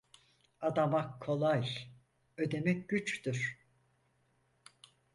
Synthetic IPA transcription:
ad̪amakʰo̞lˠaj | ø̞d̪e̞mɛc̚ɟyt͡ʃt̪yɾ̥

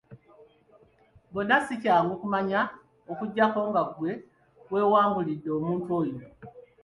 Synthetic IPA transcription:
bonːasicaːŋɡokumaɲa | okuɟːako̞ːŋɡakwe̞ | we̞ːwaːmbulidːe̞oːmuːntuo̞jino

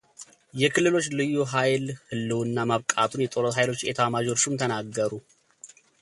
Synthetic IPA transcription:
jɛkʰɨlːɨlo̞t͡ʃːlɨjːuɦajlhɨlːɨwɨnːamaβkʼat̪ʰunjɛt̪ʼo̞ɾot̪hajlo̞t͡ʃːjɛt̪ʰəwamad͡ʒo̞t͡ʃːumt̪ʰənaɡːəɾu

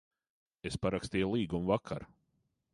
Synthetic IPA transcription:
espaɾakst̪iːjlˠiːɡumvakʰa̰ɾ

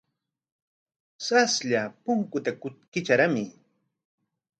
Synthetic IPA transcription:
sasʎapʊŋkʊt̪akʊt̪̚kɪt͡ʃaɾamɪ

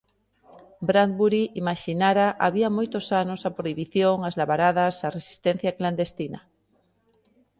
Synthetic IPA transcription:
bɾan̚buɾiʔimaʃinaɾaʔa̰βiɐmojt̪ʊsanʊsɐpɾoiβiθjoŋazlaβaɾaðɐsaresi̥st̪ɛn̟θjɐkland̪est̪inɐ

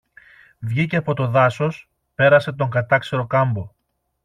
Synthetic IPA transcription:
vʝiceɐpo̞t̪o̞ðɐso̞s | pe̞ɾɐse̞t̪o̞ŋɡɐt̪ɐkseɾo̞kɐmbo̞

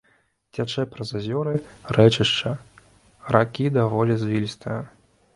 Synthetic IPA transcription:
t͡sʲat͡ʂɛpɾɐzazʲɔɾɨrɛt͡ʃɨʂt͡ʂɐ | ɾakʲid̪ɐvɔlʲizvʲilʲist̪ɨjɐ

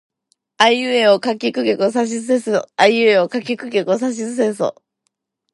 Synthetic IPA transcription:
aiɯeokakʲikɯ̟kʲokɯs̬aɕ̬izɨsẽsaiɯeokakʲikɯ̟kʲokɯs̬aɕ̬izɨs̬ẽɰso̰

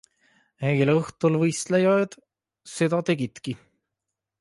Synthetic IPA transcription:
elɤht̪ulvɤjst̪lejoed̪ | se̞d̪̥ɑt̪e̞ɡit̪ki

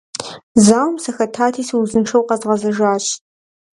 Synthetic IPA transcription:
zaːwmsɐxɐtʰaːtʰiːsiwzɨnʂɐwqɐzʁɐzɐʒaːɕ

